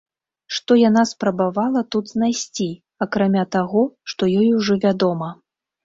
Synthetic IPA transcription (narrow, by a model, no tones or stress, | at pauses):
ʂt̪ɔjanaspɾɐbavalˠɐt̪ud̪znajsʲt͡sʲi | akɾamʲat̪aɣɔʂt̪ɔjɔjuʐɔvʲad̪ɔmɐ